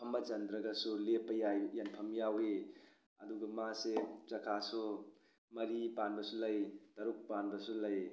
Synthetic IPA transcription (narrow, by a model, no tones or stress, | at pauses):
pʰɐmbɐt͡ʃɐnd̪ɾɐɡɐsulepɐjajanpʰɐmjawe | ɐduɡɐmaset͡ʃɐkʰasu | mɐɾipanbɐsulɐjtɐɾuk̚panbɐsulɐj